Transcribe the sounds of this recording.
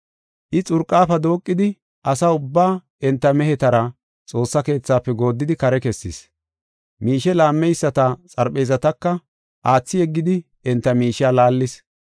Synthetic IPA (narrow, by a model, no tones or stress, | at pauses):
ʔɪt͡sʼʊɾkʼːaːfɐd̪o̞ːkʼːɪd̪ɪ | ʔɐsɐʊbːaː | ɛnt̪ːɐmɛhɛt̪ɐɾɐ | t͡sʼo̞ːsːɐke̞ːt͡sːaːpːɛɡo̞ːd̪ːɪd̪ɪkɐɾɛkɛsːɪs | miːʃɛlaːmːɛjsːɐt̪ɐt͡sʼɐɾpʼɛjzɐt̪ɐkːɐ | ʔaːt͡sːɪjɛɡːɪd̪ɪ | ɛnt̪ːɐmiːʃɪaːlaːlːɪs